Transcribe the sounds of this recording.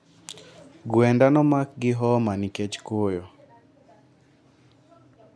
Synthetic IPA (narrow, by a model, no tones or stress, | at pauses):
ɡwɛndanɔmak̚ɡɪɦɔmaniket͡ʃkojo